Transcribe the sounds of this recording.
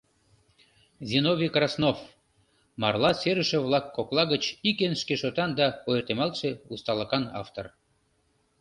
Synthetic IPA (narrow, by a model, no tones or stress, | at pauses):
zʲinoβʲikrɑsnof | mɑrlɑseɾəʃeβlˠɑkːoklˠɑɣət͡ɕikenʃkeʃot̪ɑnd̪ɑojert̪emɑlʃeust̪ɑləkɑnɑ̰ft̪or